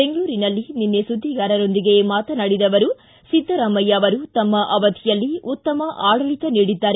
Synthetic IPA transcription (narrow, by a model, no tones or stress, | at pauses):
be̞ŋɡɐɭuːɾinɐlːininːesud̪ʱːiɡaːɾɐɾond̪iɡe̞maːt̪ɐnɐɽid̪ɐʋɐɾu | sid̪ʱːɐɾɐmːɐjaːʋɐɾut̪ɐmːɐʔɐʋɐd̪ʱijɐlːiut̪ːɐmɐʔaːɽɐɭit̪ɐniːɽid̪ːaːɾe